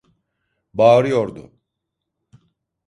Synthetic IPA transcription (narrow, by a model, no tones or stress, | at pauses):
baːɾɯjo̞ɾd̪ʊ̰